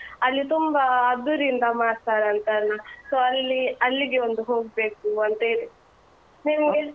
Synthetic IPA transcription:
ɐlːit̪umbɐːd̪ːuɾind̪ɐmaːɽt̪aːɾɐnt̪aːɾnasoːɐlːiɐlːiɡeond̪uɦoːɡ̚be̞ːkuɐnt̪eid̪e | neʋue

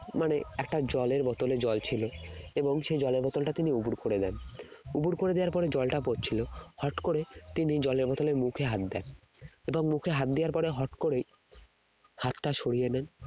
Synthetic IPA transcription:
maneɛk̚ʈad͡ʑɔleɾbɔt̪oled͡ʑɔlt͡ɕʰiloeboŋʃed͡ʑɔleɾbɔt̪olʈat̪iniubuɾkoɾed̪ɛnubuɾkoɾed̪eaɾpɔɾed͡ʑɔlʈapot̚t͡ɕʰilohɔʈkoɾet̪inid͡ʑɔleɾbɔt̪olemukʰeɦat̪̚d̪ɛ̰n | eboŋmukʰeɦat̪̚d̪iaɾpɔɾeɦɔʈkoɾej | hat̪ʈaʃʰoɽijenɛn

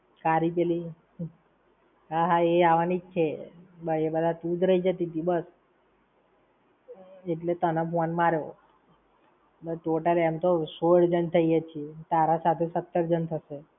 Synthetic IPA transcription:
kaɾip̬eli | ɦaɦaeaʋanid͡ʒt͡ʃʰebəɭiebəd̪ʱat̪ud̪ʱɾəɦid͡ʒət̪it̪ibəs | eʈlet̪ənapanmaɾoo | bəʈoʈəlɛmt̪osoɽd͡ʒənt̪ʰəijet͡ʃʰiet̪aɾasat̪ʰesət̪ːəɾd͡ʒənt̪ʰəʃe

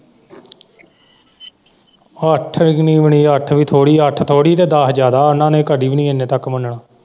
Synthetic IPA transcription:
əʈʰniːʋəɳiːəʈʰʋiːt̪ʰoːɽiːəʈʰt̪ʰoːɽiːt̪eːd̪aːsd͡ʒjaːd̪aːʊnãːnẽːkəɖiːʋɪnĩːenːẽːt̪əkːmənɳaː

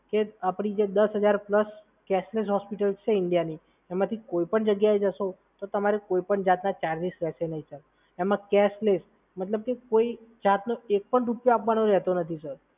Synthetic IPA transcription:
keapɽ̃id͡ʒed̪əsɦəd͡ʒaɾpləs | kɛsles̬ɦɔspiʈəlt͡ʃʰeɪɳɖijani | ɛmãt̪ʰikoipəɳd͡ʒəɡjaed͡ʒəʃo | t̪ot̪əmaɾekoipəɳd͡ʒat̪nat͡ʃaɾlisɾɛsenəɦĩt͡ʃəɾ | emãkɛsles | mət̪ləb̚kekoid͡ʒat̪noek̚pəɳɾupjoapʋanoɾɛɦt̪onət̪ʰisəɾ

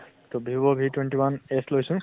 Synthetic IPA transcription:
t̪obʱibɔbʱitwenʈiwaneslojsũ

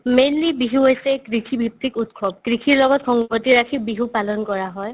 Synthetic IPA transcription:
melːibiɦuɦojsɛkɹikʰibʱip̚tikutkʰɔb̚kɹikʰiɹlɔɡɔtxɔŋbɔtiɹakʰibiɦupalɔnkɔɹaɦɔj

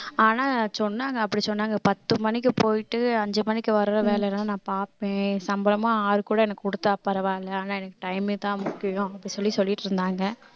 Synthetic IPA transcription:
aːnaːsɔnːaːŋɡɐːpːɐɽisɔnːaːŋɡɐpɐt̪ːɯmɐnɪk̬ːɯpoːjɪʈːɯɐɲd͡ʒɯmɐnːɪkʲːɯʋɐɾɯɾɐʋeːlɛɾnaːnãːpaːɾpẽːsɐmbɐlɐmãːaːɾɯkuːɽɐɛnɐkːkʊɽɯt̪ːapɐɾɐʋaːɪlːɐaːnaːɛnɐkːɯ̥ʈɐɪmɪt̪ãːmʊkːɪjʊ̃ɐpːɐɽisɔlːisɔlːɪʈːɯɾɯnd̪aːŋɡɐ

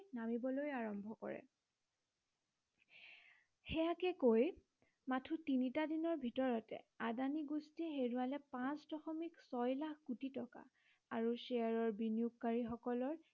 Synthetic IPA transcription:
namibɔlojaɹɔmbʱɔkɔ̰ɹɛ̰ | hɛjakɛkoj | matʰutinitadinɔɹbʱitɔɹɔtɛ̰adaniɡustiɛɦeɹualɛpãsdɔxɔmiksɔjlakʰkutitɔka̰ | aɹuseaɹɔɹbinijukːaɹixɔkɔlɔɹ

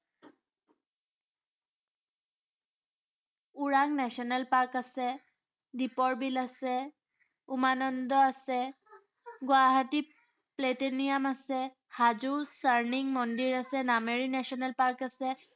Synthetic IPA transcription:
uɹaŋnɛsiɔnɛlpaɹkasɛ | dipɔɹbilasɛ | umanɔnd̪ɔasɛ | ɡwaɦati | pletenijamasɛ | hazusaɹniŋmɔndiɹasɛnameɹinɛsiɔnɛlpaɹkasɛ

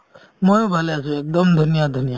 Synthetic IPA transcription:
mojbʱaleasuek̚d̪ɔmd̪ʱunijad̪ʱunija

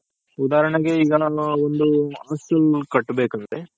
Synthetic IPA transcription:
ud̪aːɾɐɳɐɡe̞iɡɐond̪uaːsɐlkɐʈːbeːkɐnt̪e

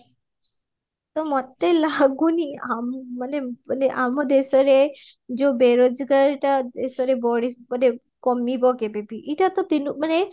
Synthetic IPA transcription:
t̪ɔmɔt̪elaɡuniamːanemaneʔamɔd̪esɔɾed͡ʒobeɾod͡ʒɡaɾʈad̪esɔɾebɔɽibɔne | kɔmibɔɡebebiʔiʈat̪ɔt̪inuk̚mane

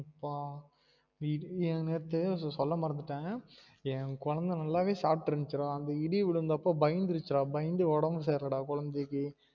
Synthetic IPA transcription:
ɐpːaː | ɪɛ̃neːɾɐt̪ːɯsɔlːɐmɐɾɐnd̪ɯʈːẽː | ɛ̃kɔɻɐnd̪ɐnɐlːaːʋeːsaːʈːɾɐnt͡ʃːɪɾãːɐnd̪ɐɪɽiʋɪɭɯnd̪ɐpːoːbɐjɪnd̪ɪɾɯt͡ʃːɪɾãːbɐjɪnd̪ɯɔɽɐmɯs̬eːɾɐɽaːkʊɻɐnd̪ekːɯ

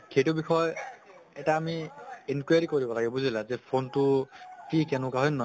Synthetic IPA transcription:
kʰejtubixʰɔjɛtaːmienkwajaɹikoɹibɔlaɡɛbuzilazɛpʰontʊkikɛnʊ̃kaɦɔjnːɔ

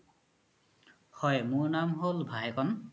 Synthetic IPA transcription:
hɔjmʊɹnamɦolbʱajkɔn

